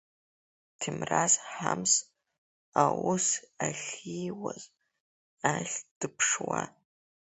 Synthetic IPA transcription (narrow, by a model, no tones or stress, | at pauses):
tʰimrazħams | awʊsaɬʲijwaz | aɬʲd̥ɨpʰʂwa